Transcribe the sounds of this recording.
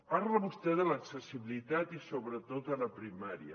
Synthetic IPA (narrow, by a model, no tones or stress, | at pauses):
paɾləβust̪ɛðələksəsiβilit̪at̪isoβɾət̪ot̪ələpɾimaɾiə̰